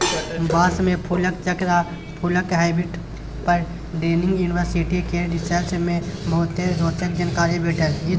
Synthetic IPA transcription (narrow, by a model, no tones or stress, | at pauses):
baːsmẽpʰuləkt͡ʃəkɾa | pʰuləkɦaːɪbiʈ | pəɾ | ɖeːnɪ̃ŋɡjuːnɪʋəɾsiʈikeɖɪsəlsmẽbɐɦʊt̪ːeɾoːt͡ʃək̚d͡ʒankaːɾibeːʈʰəɾɪ